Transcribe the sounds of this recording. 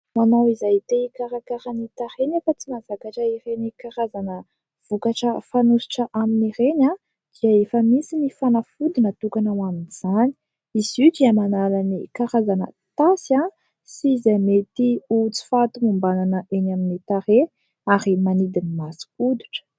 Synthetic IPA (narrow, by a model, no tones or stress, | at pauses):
manawizajt̪eikaɾakaɾanit̪aɾenafət͡simazakaʈ͡ʂəiɾenikaɾazanə | v̥ukaʈ͡ʂəfanusi̥ʈ͡ʂəʔaminiɾena | d̪̥iəefəmisinifanafud̪inət̪ukanawaminz̥ani̥ | izidiamanalanikaɾazanə̰t̪asa | sizajmet̪iut͡si̥fat̪umumbananəʔenaminit̪aɾe | aɾimanid̪inimasi̥ud̪uʈ͡ʂə̥